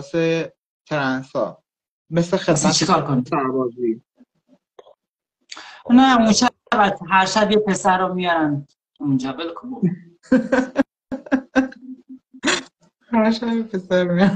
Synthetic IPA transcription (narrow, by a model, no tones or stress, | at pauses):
se | t̪ʰeɾænsɒ̰ː | meslexest͡ʃʰikʰɒːɾkonisæɾbɒːzi | næmuʃæ | bæt̪ʰːɦæɾʃæbjepʰe̞sæɾːɔmijɒɾæn | mund͡ʒæbelkʰo | hæɾʃæbjepʰesæɾmijɒɾ